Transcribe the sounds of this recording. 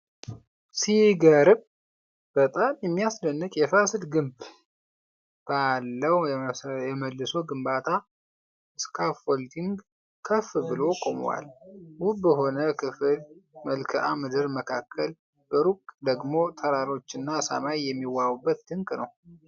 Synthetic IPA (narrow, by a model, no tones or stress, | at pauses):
siɡəɾb | b̥ət̪ʼamjɛmːijasd̪ənːɨkʼjɛfasɨlɡɨmb | b̥alːəwjɛməlːɨsoɡɨmbat̪ʰa | ʔɨskʰafolt̪ʰiŋɡ | kʰəfbɨlo̞kʼo̰m̰wa̰lwubəɦo̞nəkʰɨfɨlməlkʰəʔa̰mɨd̪ɨɾməkʰakʰːəl | b̥əɾukʼd̪əɡmo̞t̪ʰəɾaɾo̞t͡ʃːɨnːasa̰majjɛmːiwːawubːət̪̚d̪ɨŋkʼnəw